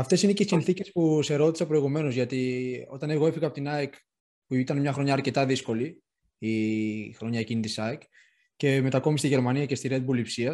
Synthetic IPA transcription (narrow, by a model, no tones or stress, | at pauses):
ɐft̪e̞sineceisinθice̞spuse̞ɾo̞t̪i̥sɐpɾo̞iɣume̞no̞zʝɐt̪io̞̰t̪ɐne̞ɣo̞efiɣɐpot̪inɐek | puit̪ɐnmɲɐxɾo̞ɲɐːɾce̞t̪ɐðisko̞li | ixɾo̞ɲɐecinit̪isɐek | ce̞me̞t̪ɐko̞mist̪iʝe̞ɾmɐniɐce̞st̪iɾed̪̚bulipsiɐ